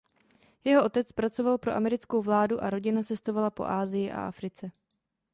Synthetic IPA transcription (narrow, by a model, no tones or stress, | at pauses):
jɛɦo̞ʔo̞t̪ɛt͡spɾat͡so̞valpɾo̞ʔamɛɾɪt͡skowvlaːduʔaɾo̞ɟɪnat͡sɛst̪o̞valapo̞̰ʔaːzɪjɪʔa̰ʔa̰fɾɪt͡sɛ